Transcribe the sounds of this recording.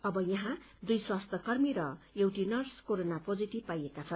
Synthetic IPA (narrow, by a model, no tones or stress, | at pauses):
ʌbʌjʌɦã | d̪ujswast̪ʰʌkʌrmiɾʌewʈinʌrskoɾonapod͡ziʈib̚pajekat͡sʰʌn